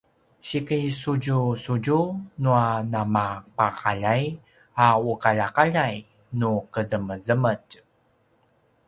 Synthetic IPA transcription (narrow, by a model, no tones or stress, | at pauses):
ɕikəjsuɟusuɟunuanamapaqaʎaj | aukaʎaqaʎaj | nukəzəməzəmət